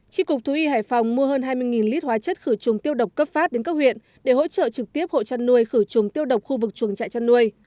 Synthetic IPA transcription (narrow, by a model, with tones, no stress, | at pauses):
t͡ɕi˧kʊ˨˩k͡p̚t̪ʰu˨˦ʔi˧haː˧˩jfa˨˩wŋ͡mmu˧əhəː˧nɦaː˧jmɨ˧əjŋi˨˩nli˦˥t̚hwaː˨˦t͡ɕə˦˥t̚xɨ˧˩t͡ɕʊ˨˩ŋ͡mt̪i˧əwɗə˨˩wk͡p̚kːə˦˥p̚faː˦˥t̚ɗe˨˦nkaː˦˥k̚hwḭ˧˨ən | ɗe˧˩ho̰˧˥t͡ɕə̰ː˧˨t͡ɕɨ˨˩k̚t̪i˦˥əp̚ho̰˧˨t͡ɕa˧nːu˧əjxɨ˧˩t͡ɕʊ˨˩ŋ͡mt̪i˧əwɗə˨˩wk͡p̚xu˧vɨ˨˩k̚t͡ɕu˨˩əŋt͡ɕa̰ː˧˨jt͡ɕa˧nːu˧əj